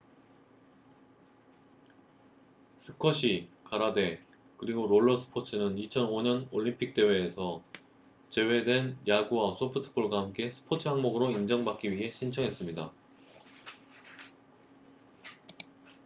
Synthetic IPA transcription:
sʰɯkʰʌɕʰikaɾade̞ | kɯɾiɡoɾoɭːʌsʰɯ̥pʰot͡ɕʰɯnɯnit͡ɕʰʌnoɲʌnoʎːimpʰik̚t͈e̞we̞ːsʰʌ | t͡ɕe̞we̞dwe̞njaɡuwasʰopʰɯtʰɯ̥pʰoɭɡwahamk͈e̞sʰɯ̥pʰot͡ɕʰɯɦaŋmoɡɯɾoind͡ʑʌŋbak͈iɥiɦe̞ɕʰint͡ɕʰʌŋɦe̞s͈ɯmɲida

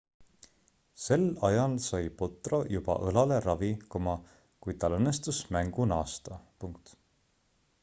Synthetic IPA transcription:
se̞lɑjɑlsɑjpo̞t̪ˑro̞jub̥ɑ̰ʔɤlɑleɾɑvikomɑ | kujt̪ɑlɤnːest̪usmæŋɡ̥unɑːst̪ɑpuŋk̚t̪

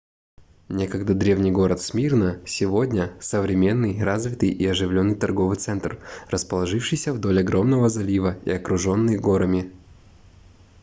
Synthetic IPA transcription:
nʲekəɡd̪ad̪ɾʲevnʲɪjɡo̞ɾət̪smʲirnəsʲɪvo̞dʲnʲəsəvɾʲɪmʲe̞nːɨjrazvʲɪt̪ɨjiɐʐɨvlʲo̞nːɨjt̪ɐrɡo̞vɨjt̪sɛnt̪rrʔəspəlˠɐʐɨfʂɨjsʲəvd̪o̞lʲɐɡɾo̞mnəvəzɐlʲivəḭɐkɾʊʐo̞nːɨjɡo̞ɾəmʲɪ

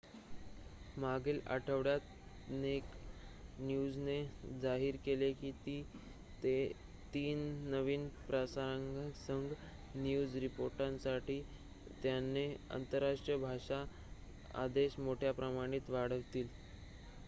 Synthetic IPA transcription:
maɡila̰ʈʰəʋɽjat̪ | nek | njud͡zned͡zaɦiːɾkelekiːt̪iː | e | t̪iːnːəʋiːnpɾasaɾŋɡʱəksəŋɡ | njud͡zɾipoɾʈãnsaʈiː | t̪janːea̰nt̪əɾːaʂʈɾijəbʱaʂa | a̰d̪eɕmoʈʰjapɾəmaɽ̃iːt̪ʋaɽ̤əʋt̪iːl

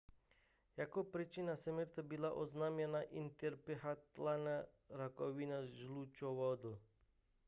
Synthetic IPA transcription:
jakopɾit͡ʃinasemeɾt̪abilaʔoznamjɛnaʔint̪eɾpeɦat̪lana | ɾakoʋinaʒlut͡ʃoʋod̪o

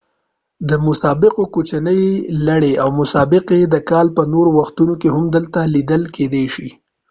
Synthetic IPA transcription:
d̪əmʊsɑbɪqokot͡ʃanəjlaɽeawmʊsɑbɪqed̪əkɑlpənoɾowaxt̪unokeɦʊmd̪əlt̪alid̪əlkʰed̪eʃi

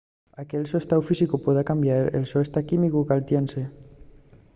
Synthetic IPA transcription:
akelsoest̪awfisikupweðakambjaɾḛlsoest̪akimikukalt̪jense

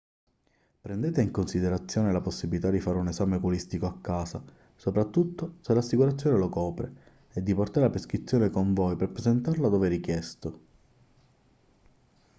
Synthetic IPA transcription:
pɾend̪eːt̪eiŋkonsid̪eɾat̪sːjoːnelaposːibilit̪ad̪ifaːɾeunezaːmekulist̪ikoakːaːsa | sopɾat̪ːut̪ːoselːasːikuɾat̪sːjoːnelokɔːpɾḛ | ed̪ːiport̪aːɾelapɾeskɾit̪sːjoːnekoɱvojperpɾezent̪arlad̪oːveɾikjɛst̪o

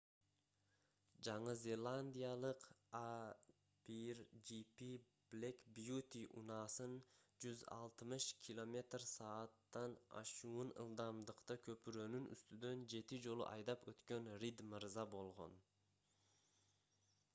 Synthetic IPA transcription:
d͡ʒɑɴɯzʲe̞lˠanʲd̪ʲijalˠɯqa | piɾd͡ʒipi | b̥lʲekbjut̪iʔunɑsɯnd͡ʒyzɑ̰lˠt̪mɯʃkʲʰilˠo̞mʲe̞t̪rsɑːt̪ːɑnɑ̰ʃuunɯ̰lˠd̪ɑmd̪ɯqt̪ɑkʰø̞pyɾøːnynʔy̰st̪yd̪ø̞nd͡ʒe̞t̪id͡ʒo̞lˠṵʔɑ̰jd̪ɑpøt̪kø̞nrid̪mɯɾzɑbo̞lˠʁo̞̰n

